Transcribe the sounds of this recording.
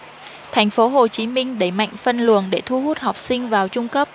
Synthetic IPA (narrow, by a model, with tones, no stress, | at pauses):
t̪ʰa˨˩jŋ̟fo˨˦ɦo˨˩t͡ɕi˨˦mï˧ŋ̟ɗə˧˩jma̰˧˨jŋ̟fə˧nlṵ˨˧˨ənɗe˧˩t̪ʰu˧hu˦˥t̚hɔ˨˩wk͡p̚sï˧ŋ̟vaː˨˩wt͡ɕʊ˧ŋ͡mkə˦˥p̚